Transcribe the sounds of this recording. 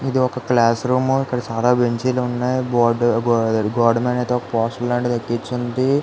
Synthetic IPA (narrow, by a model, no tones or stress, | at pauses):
id̪iɔkɐklaːsɾuːmikːɐɽɐt͡ʃaːlaːbeɲt͡ʃiːlunːaːjbaːɖɡɡaːɾɖmenɐjt̪eɔkɐpɔːsʈɐllaːɳʈit̪ɐkːit͡ʃːund̪i